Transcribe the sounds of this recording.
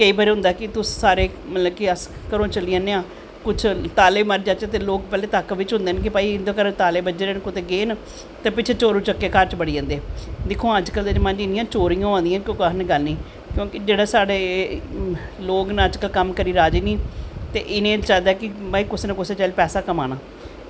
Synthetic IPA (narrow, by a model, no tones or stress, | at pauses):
kəiːbaːɾeːɦʊ̃nd̪aːkɪt̪ʊssaːɾeː | mət̪ləb̚kiəskəɾõːt͡ʃəliãːneãː | kʊt͡ʃʰt̪aːleːməɾd͡ʒaːt͡ʃːt̪eloːk̚pɛːleːt̪əkʋɪt͡ʃɦʊ̃nd̪eːnk̬ɪpaːiɪnd̪oːkəɾt̪aːleːbəd͡ʒeːɾeːnkʊt̪eːɡeːn | t̪eːpɪt͡ʃʰeːt͡ʃoːɾũːt͡ʃəkːeːkəɾt͡ʃbəɽiːd͡ʒãːnd̪eːd̪ɪkʰːõːəd͡ʒkəld̪ed͡ʒmãnd͡ʒɪnɪ̃ãːt͡ʃoːɾijõːãːnd̪ijãːnkokənɡəlniː | kjõːkɪd͡ʒeːɽaːsaːɽeː | loːknaəd͡ʒkəlkəmkəɾiːɾaːd͡ʒiːniːt̪ḛːʔɪnẽːt͡ʃaːd̪aːkɪpaːiːkʊsːnẽkʊseːt͡ʃaːlipɛːsaːkəmaːnaː